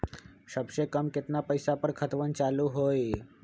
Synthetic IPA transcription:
səbɕekəmkɪt̪napəjsapəɾkʰət̪ʋənt͡ʃaluɦoj

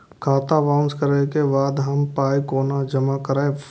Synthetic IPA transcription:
kʰaːt̪aʋãːʊnskəɾekebaːd̪ɦɐmpaːikoːnad͡ʒəmakəɾaːe

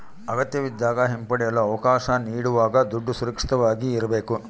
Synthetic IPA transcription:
ɐɡɐt̪jɐʋid̪ːaːɡɐɦempɐɽɛjɐlːɐɐʋɐkaːʃɐniːɽuʋaːɡɐd̪uɖːusuɾɐkʂi̥t̪ɐʋaːɡiːɾɐbeːku

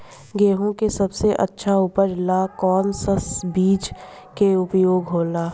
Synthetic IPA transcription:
ɡeːɦõkesɐbseʔə̰tːʃʰaʊpəɾlakɔːnsəsbiːt͡ʃ | keʊpjoːɡɦoːlaː

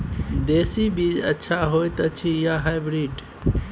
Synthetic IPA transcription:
d̪esibiːd͡ʒətːʃʰaɦojt̪ət͡ʃʰijaɦajbɾiːɖ

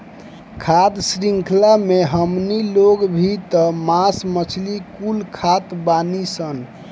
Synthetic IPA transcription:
kʰat̪sɾiŋkʰlameɦəmniloɡbʱit̪əmasmət͡ʃʰlikulkʰat̪banisən

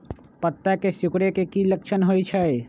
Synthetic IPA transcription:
pət̪ːakesʊkɽekekiləkʃʰənɦot͡ʃʰəj

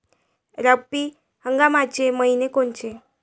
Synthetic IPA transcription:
ɾəpːi | həŋɡamat͡ɕeməinekont͡ɕe

